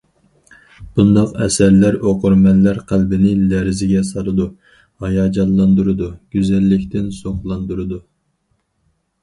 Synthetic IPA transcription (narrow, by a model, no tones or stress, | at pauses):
b̥und̪ɑqɛ̰sæɾlæɾoqʰʊɾmɛnlːæɾqʰælbɪnɪlæɾɪzɪɡʲɛsɑlˠɨd̪u | hɑjɑːd͡ʒɑlˠlːˠɑnd̪uɾɨd̪uɡ̥ʲyzɛlːɪkʲt̪ɪnsoχlˠɑnd̪uɾɨd̪u